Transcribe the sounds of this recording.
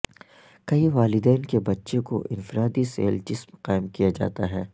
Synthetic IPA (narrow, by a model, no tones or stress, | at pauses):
kɐiʋaːlɪd̪ɛːnkebɐtːʃẽko̰ʔɪ̃nfɾaːd̪isḛːld͡ʒɪsmqaːɪmkijad͡ʒa̰ːt̪aɦɛː